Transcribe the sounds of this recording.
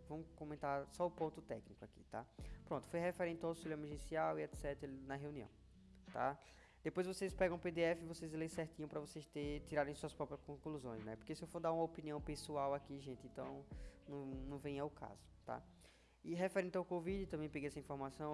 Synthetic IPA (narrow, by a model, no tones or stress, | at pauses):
vɐ̃mʊkõmẽnt̪aɾsɔʊpõnt̪ʊt̪ɛknikʊaki̥̰t̪a̰pɾõnt̪ʊ̥fojɦefeɾẽnt̪ɪawsilẽmʒẽsiawiɛt̪sɛt̪ɾɾnɐɦeũniɐ̰̃w̃ | t̪a̰ | d̪̥epojzvosespɛɡɐ̃w̃ped̪eɛfɪvosezelesɛɾt̪ĩɲɐ̃pɾɐvosejst̪et̪iɾaɾẽj̃suɐspɾɔpɾɐskõkluzõj̃znɛpoɾkesɪewfoɾd̪aɾũmɐopiniɐ̃w̃pesuawakiʒẽt̪ɪẽnt̪ɐ̃w̃nɐ̃w̃nɐ̃w̃vẽj̃ɐʊkʰa̰zʊt̪a̰ | ɪɦefɛɾẽnt̪awkovid͡ʒɪt̪ɐ̃mbẽj̃peɡejɛsɐĩfoɾmasɐ̃w̃